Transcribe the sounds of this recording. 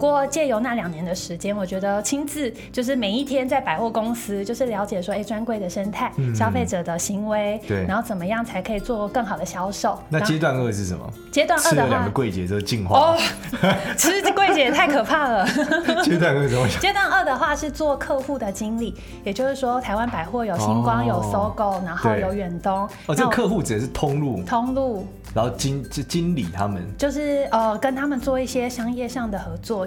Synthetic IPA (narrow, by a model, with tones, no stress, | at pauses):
kwɔ˥˧t͡ɕjɛ˥˩jo˧˥ʊna˥˩ljɑ˨˩ŋnjɛ˧˥nd̪ə˧ʂɻ̩˧˥t͡ɕjɛ˥nwɔ˨˩t͡ɕɥɛ˧˥d̪ə˧t͡ɕʰi˥nt͡sɹ̩˥˩ | t͡ɕjo˥˧ʊʂ̬ɻ̩˥˩me˨˩ɪi˥˩t̪ʰjɛ˥nt͡sa˥˩ɪpa˨ɪxwɔ˥˩kʊ˥ŋsɹ̩˥t͡ɕjo˥˧ʊʂɻ̩˥˩ljɑ˧˥ʊt͡ɕjɛ˨˩ʂ̬wɔ˥e˥˩ɪʈ͡ʂwa˥nkwe˥˩ɪd̪ə˩ʂə˥nt̪ʰa˥˩ɪɕjɑ˥ʊfe˥˩ɪʈ͡ʂɤ˨˩d̪ə˦ɕi˧˥ŋwe˧˥˦ɪt̪e˩˥˩na˧˥nxo˥˩ʊt͡sə˨˩nmə˦jɑ˥˩ŋt͡sʰa˧˥ɪkʰɤ˧˥i˨˩t͡swɔ˥˧kə˥˩ŋxɑ˨˩ʊd̪ə˦ɕjɑ˥ʊʂo˥˩ʊna˥˧˥t͡ɕjɛ˥t̪̬wa˥˧nə˥˧ʂɻ̩˥˩ʂə̰˨˦mə̰˨˩ | t͡ɕjɛ˥t̪wa˥˧nə˥˧˨lj̰ŋ˨ɡə˦kwe˥˩ɪt͡ɕjɛ̰˨˥˩o˧t͡ɕi˥˧nxwaɔ˥˩ | t͡ɕʰi˧˥ʂɻ̩˧˥kwe˥˩ɪt͡ɕjɛ˧˥t̪ʰa˥˩ɪkʰɤ˨˩pʰa˥˩lə˩t͡ɕɛ˦t̪̬wa˥˧nə˥˧˩t͡ɕjɛ˥t̪wa˥˧nə˥˩d̪ə˩xwa˥˧ʂɻ̩˥˧t͡swɔ˥˨kʰɤ˥˧xu˥˩d̪ə˨t͡ɕi˥nli˨˩ | jɛ˨˩t͡ɕjo˥˧ʊʂɻ̩˥˩ʂwɔ˥t̪ʰa˧˥ɪwa˦˥npa˨˩ɪxwɔ˥˩jo˨˩ʊɕi˧˥ŋkwɑ˥˦ŋjo˨˩ʊso˥ʊko˥ʊna˧˥ŋxo˥˧ʊjo˨˩ʊɥɛ˨˩nt̪ʊ˥ŋ | ɔ˧ə˥ɡəkʰɤ˥˧xu˥˨ʈ͡ʂɻ̩˨˩ə˨˦ʂɻ̩˥˩t̪ʰʊ˦˥ŋlu˥˨t̪ʰo˦˥ŋlu˥˩ | na˧˦nxo˥˩t͡ɕi˦n˨t͡ɕi˦nlḭ˨˩t̪ʰa˦mə̰˨nt͡ɕjo˥˧ʊʂɻ̩˥˩ə˩kə˦nt̪ʰa˥mə˨nt͡swɔ˥˧i˥˩ɕjɛ˥ɕɑ˥ŋjɛ˥˧ʂɑ˥˩ŋd̪ə˩xɤ˧˥t͡swɔ˥˩